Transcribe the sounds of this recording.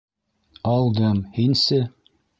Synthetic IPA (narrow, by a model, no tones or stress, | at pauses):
ɑlˠd̪ɤmhinsɘ